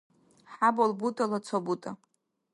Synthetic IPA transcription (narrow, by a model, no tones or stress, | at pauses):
ħabolbutʼalat͡sʰobutʼa